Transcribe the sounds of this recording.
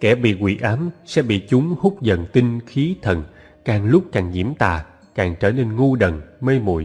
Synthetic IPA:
kɛ˧˩ɓḭ˧˨kwḭ˧˩ʔaː˨˦msɛ̰˧˥ɓḭ˧˨t͡ɕʊ˨˦ŋ͡mhʊ˦˥k͡p̚zə̰˧˨nt̪i˧ŋxi˨˦t̪ʰə˨˩n | kaː˨˩ŋlʊ˦˥k͡p̚kaː˨˩ŋɲḭ˧˩əmt̪a̰ː˧˨ | kaː˨˩ŋt͡ɕəː˧˩ne˧nŋu˧ɗə̰˨˩ŋməː˧jmṵ˧˩˨j

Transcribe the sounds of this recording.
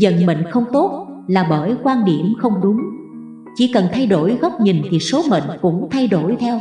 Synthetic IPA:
zə̰˧˨nɓə̰˧˨ŋ̟xə˧wŋ͡mt̪o˦˥t̚laː˨˩ɓəː˧˩jkwaː˧nɗi˧˩əmxə˧wŋ͡mɗʊ˨˦ŋ͡m | t͡ɕi˧˩˦kə˨˩nt̪ʰa˧jɗo˧˩jɣɔ˦˥wk͡p̚ɲi˨˩nt̪ʰi˨˩so˨˦mḭ˧˨ŋ̟kʊ̰˧˥ŋ͡mt̪ʰa˧jɗo˧˩jt̪ʰɛ˧w

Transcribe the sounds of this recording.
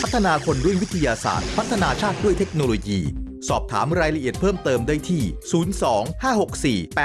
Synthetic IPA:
pʰa˦˥t̪ʰːa˧naː˧kʰo˧nɾu˥˩ŋwi˦˥t̪ʰːa˧jaː˧sa̰ː˨˩t̪̚pʰa˦˥t̪ʰːa˧naː˧t͡ɕʰaː˥˩t̪̚du˥˩əjt̪ʰe˦˥k̚noː˧loː˧jiː˧ | sɔː˨˩p̚t̪ʰa̰ː˩˦mɾaː˧jɾa˧ʔi˨˩ət̪̚pʰɤː˥˩mt̪ɤː˧mdaː˥˩jt̪ʰiː˥˩suː˩˦nsɔː˩˦ŋhaː˥˩ho˨˩k̚siː˨˩pː

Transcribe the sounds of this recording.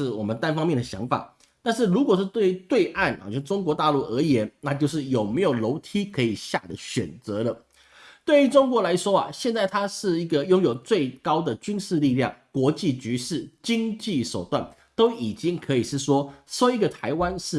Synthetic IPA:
ɻ̩˥˩wɔ˨˩mə˦nt̪a˥nfɑ˥ŋmjɛ˥˩nd̪ə˩ɕjɑ˧˥ŋfa̰˨˩˦ | t̪a˥˧nʂɻ̩˥˩ɻu˧˥kwɔ˨˩ʂɻ̩˥˧˩t̪we˥˩ɪy˧˥t̪we˥˧ɪʔa˥˩n˨˩o˥˩ʂʈ͡ʂʊ˥ŋk̬wɔ˧˥t̪a˥˧lu˥˩ə˞˧˥jɛ˧˥nna˥˧t͡ɕjo˥˧ʊʂ̬ɻ̩˥˩jo˨˩ʊme˧˥ɪjo˨˩ʊlo˧˥ʊt̪ʰi˥kʰɤ˧˥i˨˩ɕja̰˥˩d̪ə˩ɕɥɛ̰˨˩nt͡sɤ˧˥lə˧ | t̪we˥˩y˧˥ʈ͡ʂʊ˥ŋkwɔ˧˥la˧˥ɪʂwɔ˥ɐ˨ɕjɛ˥˧nt͡sa˥˩ɪt̪ʰa˥ʂɻ̩˥˩i˧˥ɡə˨jʊ˥ŋjo˨˩ʊt͡swe˥˩ɪkɑ˥ʊd̪ə˨t͡ɕy˥nʂɻ̩˥˧li˥˧ljɑ˥˩ŋkwɔ˧˥t͡ɕi˥˩t͡ɕy˧˥ʂɻ̩˥˩t͡ɕi˥ŋt͡ɕi˥˩ʂo˨˩ʊt̪wa̰˥˩n | t̪o˥ʊi˨˩t͡ɕi˥ŋkʰɤ˧˥i˨˩ʂɻ̩˥˩ʂwɔ˥ʂo˥ʊi˧˥ɡə˨t̪ʰa˧˥ɪwa˥nʂɻ̩˥˩

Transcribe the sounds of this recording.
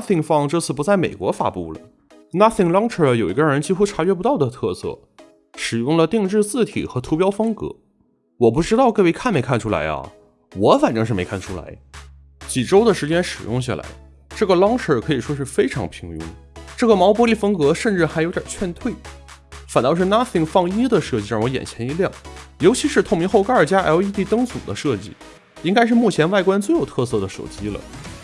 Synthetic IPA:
θi˧˩ŋfɑ˥˧ŋʈ͡ʂɤ˥˧t͡sʰɹ̩˥˩pu˧˥t͡sa˥˩ɪmḛ˨˩ɪkwɔ̰˧˥fa̰˧˥pṵ˥˩lə̰˩ | na˥θɪ˥˩ŋlɑ˥ŋʈ͡ʂʰə˥˩jo˨˩ʊi˧˥ɡə˥˧ɻə˧˥nt͡ɕi˥xu˥ʈ͡ʂʰa˧˥t͡ɕɥɛ˧˥pu˧˥t̪ɑ˥˩ʊd̪ə˩t̪ʰɤ˥˧sɤ̰˥˩ | ʂɻ̩˨˩jʊ˥˩ŋlə˩t̪i˥˧ŋʈ͡ʂɻ̩˥˧t͡sɹ̩˥˩t̪ʰḭ˨˩xɤ˧˥t̪ʰu˧˥pjɑ˥ʊfɤ˥ŋkɤ̰˧˥ | wɔ˨˩p̬u˥˩ʈ͡ʂɻ̩˥t̪ɑ˥˧ʊke˥˧ɪwe˥ɪkʰa˥˩nme˧˥ɪkʰa˥˩nʈ͡ʂʰu˥la̰˧˥ɪɐ̰˧˩ | wɔ˧˥fa˨˩nʈ͡ʂɤ˥˧ŋʂɻ̩˥˩me˧˥ɪkʰa˥˩nʈ͡ʂʰu˥la̰˧˥ɪ | t͡ɕi˨˩ʈ͡ʂo˥ʊd̪ə˨ʂɻ̩˧˥t͡ɕjɛ˥nʂɻ̩˨˩jʊ̰˥˧ŋɕ̬ja̰˥˩la̰˧˥ɪ | ʈ͡ʂɤ˥˩ɡə˩lɑ˥ŋʂə˞˥˩kʰɤ˧˥i˨˩ʂwɔ˥ʂɻ̩˥˩fe˥ɪʈ͡ʂʰɑ˧˥ŋpʰi˧˥ŋʊ̰˥ŋʈ͡ʂɤ˥˩ɡə˩mɑ˧˥ʊp̬wɔ˧˥li˥˩fə˥ŋkɤ˧˥ʂə˥˧nʈ͡ʂɻ̩˥˩xa˧˥ɪjʊjɑ̰˨˩t͡ɕʰɥɛ˥˧nt̪ʰwe˥˩ɪfa˨˩nt̪ɑ˥˧ʂɻ̩˥˧na˥θi˥˩ŋfɑ˥˧ŋi˥d̪ə˨ʂɤ˥˧t͡ɕi˥˧ɻwɔ˧˥jɛ̰˨˩nt͡ɕʰjɛ˧˥ni˧˥ljɑ˥˩ŋjo˧˥ʊt͡ɕʰi˧˥ʂɻ̩˥˧t̪ʰʊ˥˩ŋmi˧˥xo˥˩ʊka˥ə˞˨˩t͡ɕja˥˧˥ʊi˥t̪i˥˩t̪ɤ˥ŋsu˨˩d̪ə˦ʂɤ˥˧t͡ɕḭ˥˩ | i˥ŋka˥ɪʂ̬ɻ̩˥˧mu˥˩t͡ɕʰjɛ˧˥nwa˥˩ɪkwa˥nt͡swe˥˩ɪjo˨˩ʊt̪ʰɤ˥˧sɤ˥˩d̪ə˩ʂo̰˨˩ʊt͡ɕi˥lə̰˨˩

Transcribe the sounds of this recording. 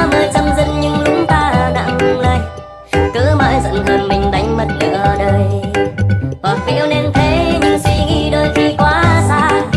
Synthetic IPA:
məː˨˩jt͡ɕə˧mzɨ̰˧˥ŋɲɨ˧ŋlʊ˨˦ŋ͡mt̪aː˧˩ɗa̰ː˧˥hɨ˧ŋla̰ː˧˨j | kəː˨˦maː˧jzə̰˧˨nhəː˨˧˩nmï˨˩ŋ̟ɗa˨˦jŋ̟mə˨˧˩t̚lə˨˩zəː˨˧˩ɗəː˧j | hwaː˨˩k̚vḭ˧˥əwne˧nt̪ʰe˨˦ɲɨ˧sḭ˧ŋi˧ɗo˧jxi˧kwaː˨˦sa̰ː˧˨

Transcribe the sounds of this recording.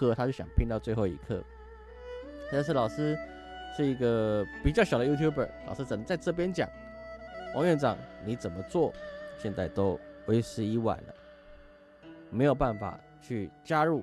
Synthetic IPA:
ɤ˥t̪ʰa˥t͡ɕjo˥˩ʊɕjɑ̰˨˩ŋpʰi˥ŋt̪ɑ˥˧ʊt͡swe˥˧xo˥˩ʊḭ˧˥˩kʰɤ̰˥˩ | t̪a˥˧nʂ̬ɻ̩˥˩lɑ˨˩ʊʂɻ̩˥ | ʂɻ̩˥˩i˧˥ɡə˧pi˨˩t͡ɕɑ˥˩ɕɑ˨˩ʊd̪ə˧ju˥t̪ʰju˥˩bə̰˞˨˩lɑ˨˩ʊʂ̩˥t͡sə˨˩nə˧˦t͡sa˥˧ɪʈ͡ʂɤ˥˩p̬jɛ˥nt͡ɕjɑ̰˨˩˦ŋ | wɑ̰˥˧ŋɥɛ˥˩nʈ͡ʂɑ̰˨˩ŋni˧˥t͡sə˨˩nmə˦t͡swɔ˥˩ɕjɛ˥˧nt͡sa˥˩ɪt̪o˥ʊwe˧˥ɪʂɻ̩˧˥i˧˥wa̰˨˩nlə̰˦ | me˧˥ɪjo˨˩ʊpa˥˩nfa̰˨˩ | t͡ɕʰy˥˩t͡ɕja˥ɻu˥˩

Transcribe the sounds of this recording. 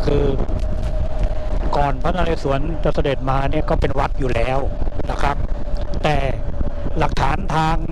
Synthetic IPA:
kʰɯː˧ | kɔː˨˩npʰa˦˥naː˧le˧su˩˦ənt͡ɕa˨˧˩sa˧de˨˩t̪̚maː˧ni˥˩ɐkɔː˥˩pe˧nwa˦˥t̪̚juː˨˩lɛː˦˥wna˧˩kʰɾa˦˥p̚t̪ɛː˨˩la˨˩k̚t̪ʰaː˩˦nt̪ʰaː˧ŋ

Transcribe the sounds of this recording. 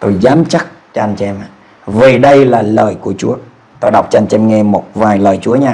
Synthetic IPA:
t̪o˧jzaː˨˦mt͡ɕa˦˥k̚t͡ɕɔ˧ʔa˧nt͡ɕɛ˧maː˨˩ | ve˨˩ɗə˧jlaː˨˩ləː˨˩jku˧˩ət͡ɕu˨˦ə | t̪oː˧ɗa˨˩wk͡p̚t͡ɕɔ˧a˧nt͡ɕɛ˧mŋɛ˧mo˨˩t̚vaː˨˩jləː˨˩jt͡ɕu˨˦əɲaː˧

